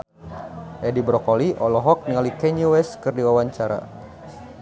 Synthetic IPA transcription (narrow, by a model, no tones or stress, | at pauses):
ʔɛdibɾɔkɔliʔɔlɔɦɔk̚niŋalikɛɲuwɛskərdiwawaɲt͡ʃaɾa̰